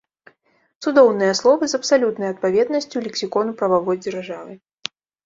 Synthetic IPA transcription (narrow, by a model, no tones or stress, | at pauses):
t̪sud̪ɔwnɨjɐslˠɔvɨzɐpsalʲut̪nɐjɐt̪̚pavʲɛd̪nɐsʲt͡sʲjulʲɛksʲikɔnupɾɐvavɔjd͡zʲɛrʐavɨ